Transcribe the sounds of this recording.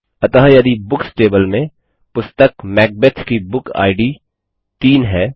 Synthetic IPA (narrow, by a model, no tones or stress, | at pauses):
ɐt̪əɦjɐd̪ibʊksʈeːbəlmẽ | pʊst̪əkmɛːk̚bet̪ʰkibʊka̰ːɪɖi | t̪iːnɦɛː